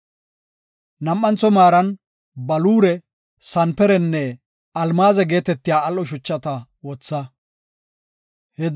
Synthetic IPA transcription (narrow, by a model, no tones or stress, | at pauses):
nɐmːɐnt͡sɔmaːɾɐn | bɐluːɾɛ | sɐnpɛɾɛnːɛ | ɐlmaːzɛɡe̞ːt̪ɛt̪ːɪjaːɐlʔɔʃ̬ʊt͡ʃːɐt̪ɐ | wɔt͡sːɐ | hɛ